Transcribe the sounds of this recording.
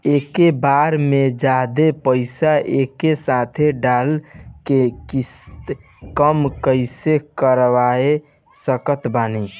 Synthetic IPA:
ekebaɾmed͡ʒad̪epəɪsaʔekesat̪ʰeɖalkekist̪ | kəmkəɪsekəɾʋae | səkət̪bani

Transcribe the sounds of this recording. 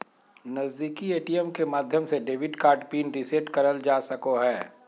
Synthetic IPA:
nɐzd̪iːkieːʈiɛmkemaːd̪ʱjəmseɖeːʋɪɖkaːɾɖpiːnɾiseʈkɐɾəld͡ʒaːsɐkoɦɛː

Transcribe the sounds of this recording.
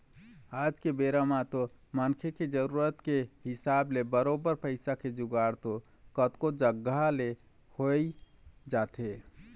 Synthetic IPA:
ad͡ʒkebeɾamat̪o | mənkʰeked͡ʒəɾuɾət̪keɦɪsablebəɾobəɾpəɪsakʰed͡ʒʊɡaɾt̪o | kət̪kod͡ʒəɡale | hoid͡ʒat̪e

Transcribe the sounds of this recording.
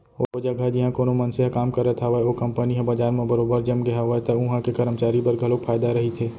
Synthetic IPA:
ood͡ʒaɡʱad͡ʒɪɦãkoːnomɐnseɦakaːmkɐɾet̪ʰaʋəeokɐmpəniɦẽbɐd͡ʒaːɾmẽbɐɾoːbəɾd͡ʒɐmɡɐɦaʋət̪ʰaʊɦãkekɐɾəmt͡ʃaːɾipɐɾɡʱɐlokfʰaːɪd̪aɾɐɦit̪ʰeː

